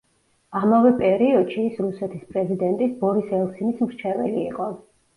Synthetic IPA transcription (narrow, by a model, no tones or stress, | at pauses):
amavɛpʼɛɾiɔd̪̥ʃiːsɾusɛt̪ʰispʼɾɛzid̪ɛnt̪ʼisbɔɾisɛlˠsinismɾt͡ʃʰɛvɛlḭːqʼɔ